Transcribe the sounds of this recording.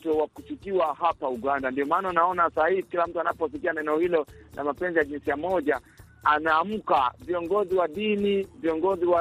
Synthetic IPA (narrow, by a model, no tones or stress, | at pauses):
tɔwakusikiwahapauɠandandiɔmaːnaunaɔnasahihikilam̩tuanapɔs̬ikianɛnɛɔhilɔnʔa̰mapɛnzijaʄinsijamɔʄa | anaːm̩kaviɔŋɡɔziwaɗiniviɔŋɡɔziwa